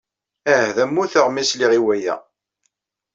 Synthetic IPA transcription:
æhðæmːuθəʁmisliʁiwæjæ̰

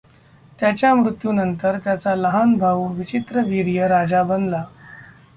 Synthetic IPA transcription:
t̪jat͡ɕjamɾut̪juːnənt̪əɾt̪jat͡saləɦanbʱaʋuʋit͡ɕit̪ɾəʋiɾijəɾad͡zabənla

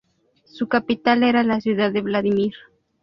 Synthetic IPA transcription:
sukapit̪aleɾalasjuðaeβlaðimiɾ

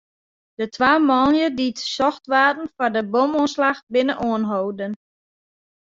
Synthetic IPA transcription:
d̥ətʰʋaːmɔnjəditsɔxtʋaːdn̩fɔrdəbomuənslaxbɪnəʔuənɦowdən

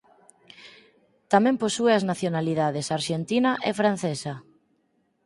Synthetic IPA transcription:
t̪amɛ̃mposueaznaθjonaliðaðesaɾʃent̪inaʔɛfɾan̟θesɐ

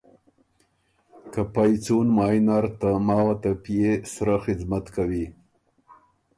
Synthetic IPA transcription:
kapajt͡sunmɑːjnaɾt̪amɑːwat̪apijesɾaxɪzmat̪kawi

